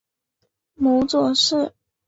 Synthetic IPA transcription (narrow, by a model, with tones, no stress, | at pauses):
mu˧˥t͡swɔ˨˩ʂɻ̩˥˩